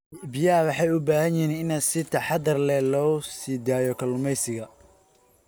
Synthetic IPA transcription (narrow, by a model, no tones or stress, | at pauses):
bɪjaːwɑħɑjʊbaːhɐnjɪnɪnɐsɪt̪ʰɐħɑd̪ɐrlɛlɔːsiːd̪aːjɔkʰɐlʊmɛjsɪɣɐ